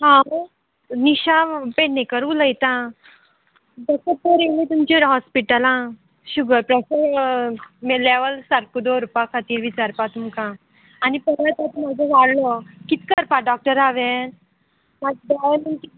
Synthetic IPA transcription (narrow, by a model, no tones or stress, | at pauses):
ɦã | niɕapeɽnekəɾuləjt̪ã | d̪əsət̪̚t̪əɾenet̪umt͡ɕiɾɦɔspiʈəlã | ɕuɡəɾpɾəsə | meleʋəlsaɾkud̪oɾupakʰat̪iːɾʋit͡ɕaɾpat̪umkã | anipəɾət̪at̪ɔm̤ad͡zʱeʋaɽlɔkit̪kəɾpaɖɔk̚ʈəɾaʋen | mad͡zd̪ajeməɳki